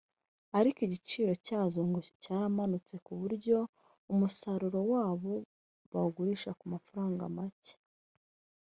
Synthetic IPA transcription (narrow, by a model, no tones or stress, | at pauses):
aɾikiɟit͡ʃiːɾo̞caːzoŋɡocaːɾamanut͡se̞kuβuɾɟo̞ | umusaɾuɾo̞waːβo̞ | βaɡuɾiʃakumafuɾaːŋɡa̰mace̥